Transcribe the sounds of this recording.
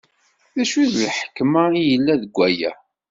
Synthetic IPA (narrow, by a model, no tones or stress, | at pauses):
θæʃiðlħə̥kːmaijəlːæðəɡʷːæjæ̰